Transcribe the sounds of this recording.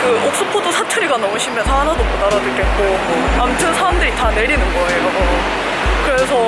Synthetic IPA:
kɯʌk̚s͈ɯpʰodosʰatʰɯɾiɡanʌmɯɕʰimjʌnsʰaanadomodaɾadɯɭɡet̚k͈o | namt͡ɕʰɯnsʰaamdɯɾitane̞ɾinɯnɡʌeɡamʌ | kɯɾesʰʌ

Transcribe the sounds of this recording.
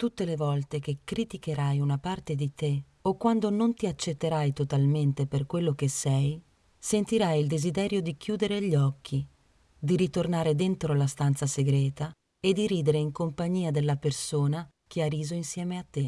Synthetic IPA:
t̪ut̪ːelevɔlt̪ekekːɾit̪ikeɾajunapart̪ed̪it̪e | okwand̪onont̪iat͡ʃːet̪ːeɾajt̪ot̪alment̪eperkwelːokesːɛj | sent̪iɾajild̪ezid̪ɛːɾjod̪ikjuːd̪eɾeʎːɔkʰːi | d̪iɾit̪ornaːɾed̪ent̪ɾolast̪ant̪saseɡɾɛːt̪a | ed̪ːiɾiːd̪eɾeiŋkompaɲːiːad̪elːapersoːna | k̟eariːzoinsjɛːmeat̪ːe

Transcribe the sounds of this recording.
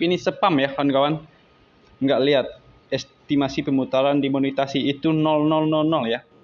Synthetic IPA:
inisəpamjafanɡawan | ŋɡaʔliat̪̚ | ɛst̪imasipəmut̪aɾandimonit̪asiːt̪unɔlnɔlnɔnɔlja

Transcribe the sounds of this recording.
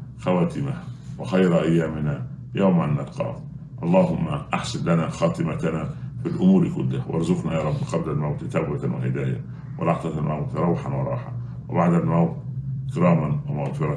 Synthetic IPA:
xawaːt̪ɪmawɪxajɾʔajːaːmɪnajawmʕanːɑlqɑ̰ːf | ʔɑlˤːɑːɦʊmːaʔaħsanlanaxɑːt̪ˤɨmat̪anafilʔʊmuːɾikʊ̰lːawʔɑɾˤzʊqnajɑːɾˤɑbːɪqɑblalmawt̪θawbat̪wɪ̰hɪd̪aːja̰ | wɪ̰lɑħd̪ˤɑlmawt̪ɾˤɑwːħanwɪɾˤɑ̰ːħa̰ | wɪbaʕd̪almawt̪kɪɾˤɑːmanwɪmaw̪fɪɾˤɑ

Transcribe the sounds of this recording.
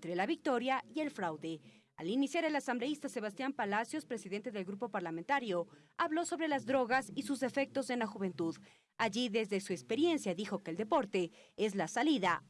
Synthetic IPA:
t̪ɾelaβik̚t̪o̞ɾjaie̞lfɾawðe̞ | alinisjaɾe̞lasamble̞ist̪ase̞βast̪jampalasjo̞spɾe̞siðe̞nt̪e̞ðe̞lɡɾupo̞paɾlament̪aɾjo̞ | aβlo̞so̞βɾe̞lazd̪ɾo̞ɣasisuzðe̞fe̞k̚t̪o̞ze̞naxuβe̞nt̪uð | aʝiðe̞zðe̞suekspe̞ɾje̞nsjaðixo̞keːld̪e̞po̞ɾt̪e̞ezlasaliða

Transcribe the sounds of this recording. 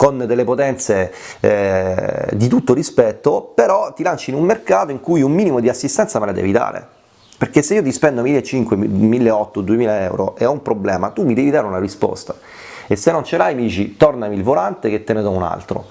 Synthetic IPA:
kond̪elːepot̪ɛnt̪se | d̪it̪̬ut̪ːoɾispɛt̪ːopeɾɔt̪ːilant͡ʃinumːerkaːt̪oiŋkujumːiːnimod̪iasːist̪ɛnt̪samelad̪ɛ̰ːvid̪a̰ːɾḛ | perkesːeiːot̪ispɛnd̪omilːet͡ʃːiŋkwemilːeɔt̪ːod̪uemiːlaɛ̰wɾo̰ʔeɔumpɾoblɛːmat̪umːid̪ɛːvid̪aːɾeunarispɔ̰st̪ḁ | esːenːont͡ʃelajmid̪iːt͡ʃit̪ornamilvolant̪eket̪ːened̪ouna̰lt̪ɾo̰

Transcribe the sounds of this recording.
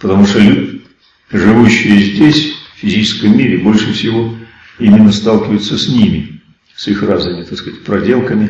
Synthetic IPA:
pət̪ɐmuʂt̪olʲ | ʐɨvuɕːɪjəzʲdʲesʲfʲɪzʲit͡ɕɪ̥skəmʲːiɾʲɪbo̞lʲʂɨfsʲɪvo̞ | imʲɪnːəst̪alˠkʲɪvəjʊt̪səsʲnʲimʲɪ | sɨxraznɨmʲɪt̪ɐkskəat̚ʲpɾɐdʲe̞lˠkəmʲɪ

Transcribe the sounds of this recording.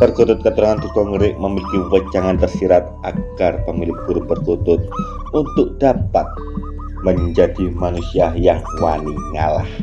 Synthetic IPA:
pərɡot̪ʊt̪̚kət̪uɾaŋant̪ukɔŋəɾɪʔməmilikiwə̥d͡ʒaŋant̪ərsiɾat̪̚ʔaɡ̥arpəmilɪp̚ɡ̥uɾub̥ərɡut̪ʊt̪̚ | unt̪ʊk̚d̥apat̪̚ | məɲd͡ʒad̪̥imanusiahjaŋ | waniŋa̰la̰h

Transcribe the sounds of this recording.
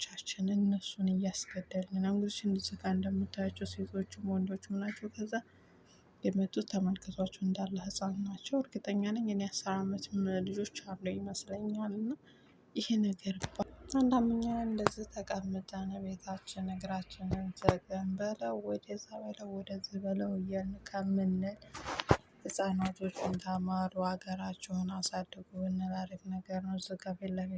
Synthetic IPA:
t͡ʃːat͡ʃːɪnɨnːəsunɨjːasɡ̥əd̪ːələɲːɨnːawŋɡuzɨt͡ʃɨnd̪əzɨhkʰaɨnd̪əmɨt̪ʰːajat͡ʃːɛwse̞t̪ʰo̞t͡ʃːɪmɔnd̪o̞t͡ʃːumnat͡ʃːɛwkʰəzːa | jɛmət̪ʼːut̪ʰːəməlkʰət̪ʰwat͡ʃːɛɨnd̪alːəhɨsʼannat͡ʃːɛwɾkʼit̪ʼəɲːaləɲjɛneasːəɾamət̪ʰɨmlɨd͡ʒo̞t͡ʃːalːəwjɪməsləɲːalɨnːa | jɪhenəɡəɾbaand̪amːɨɲːaɨnd̪əzːiht̪ʰəkʼəmmɨt̪ʼanəβe̞t̪ʰat͡ʃːɪnːɨɡɾat͡ʃːɪnɨnzʰəkʼəmbələwwɔd̪əzaβələwwɔd̪əzːihbələwjɛnkʰəmːɨnːɨl | hɨsʼanat̪ʰo̞t͡ʃːɨnt̪ʰəmaɾuhaɡəɾat͡ʃːɛwnasad̪ːɨɡuɨnːɨlaɾifnəɡəɾnəwzɨɡəβelːəβe

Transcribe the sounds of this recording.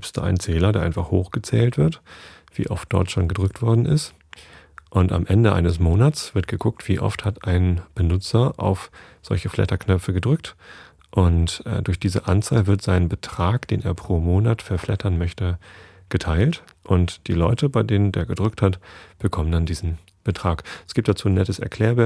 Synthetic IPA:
ipstd̥ṵːa̰ɪnt͡sɛːlɐdeːɐʔaɪnfaχho̰ːxɡ̥ət͡sɛ̰ːltv̥ɪɐtv̥ḭːʔaʊfd̥ɔ̰ɐtʃoːnɡədʁʏk̚tv̥ɔɐdn̩ʔɪst | ʔʊnta̰mʔɛndəʔa̰ɪnəsmoːnatt͡sv̥ɪɐt̚ɡ̥əkʰʊk̚tv̥iːʔɔ̰fthatʔaɪnb̥ənʊt͡sɐʔa̰ʊf | z̥ɔ̰lçəflɛ̰tɐknœpp͡fəɡədʁʏk̚t | ʔʊntʔɛ̰ːdʊɐçd̥iːzəʔant͡saːlvɪɐtz̥aɪnnbətʁ̥aːkd̥eːnḛːɐpʁ̥oːmoːnatfɛɐflɛtʰɐnmœçtə | ɡ̥ətʰaɪlt | ʔʊntd̥iːlɔʏtəbaɪdeːnəndeːɐɡədʁʏk̚thatb̥əkʰɔməndandiːzn̩ | b̥ətʁ̥aːkɛsɡ̥iːp̚td̥at͡suːnɛtəsɛ̰ɐkʰl̥eːɐvɛ

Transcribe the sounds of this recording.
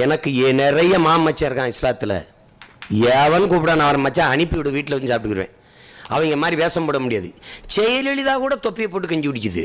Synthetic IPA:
ɛnɐkːɯenɪɾɐjɐmaːmːɐt͡ʃːɐ̃ɪɾɯkːãːɪslaːt̪ːɪlɐ̰ | ɛʋɐnɯkoːpːɪɽaːnaːʋɐɾɐmɐt͡ʃːãːɐnɪpːiʋɪɽɐʋiːʈːɪlɐnɯsaːp̚ɪʈːɯkɪɾɯʋḛ̃ː | ɐ̰ʋɐ̃ɪŋɡɐmaːd̪ɾiʋeːsɐmpɔɽɐmʊɽɪjaːðɯ̰t͡ʃɛjɐlɛɭɪðaːkuːɽɐt̪ɔpːijɐpːoːʈːɯkɐɲd͡ʒɯʋɪɽɪk̬ʲːɯðɯ̰

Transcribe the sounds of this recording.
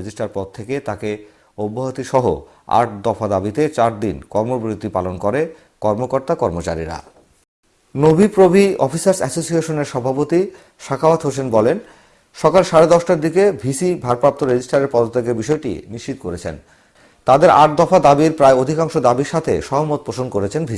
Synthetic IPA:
d͡ʑisʈaɾpɔd̪̚t̪ʰeket̪ake | obːoɦot̪iʃɔɦo̰ | a̰ʈd̪ɔfad̪abit̪et͡ɕaɾd̪inkɔɾmobɾiod̪ʱːipalonkoɾe | kɔɾmokoɾt̪akɔɾmot͡ɕa̰ɾḭɾa̰ | nobʱipɾobʱiɔfisaɾsɛsosieʃoneɾʃɔbʱapot̪i | ʃakʰawat̪ɦoʃenbɔlen | ʃɔkalʃaɾed̪ɔʃʈaɾd̪ikebʱisibʱaɾpɾap̚t̪oɾed͡ʑisʈaɾeɾpɔd̪ʱot̪ʰːekːeɾbiʃɔeʈḭniʃt͡ɕit̪̚koɾet͡ɕʰen | t̪ad̪eɾa̰ʈ̚d̪ɔfad̪abiɾpɾaeod̪ʱikaŋʃod̪abiɾʃat̪ʰḛʃɔɦomot̪̚pɾoʃonkoɾet͡ɕʰenbʱisi

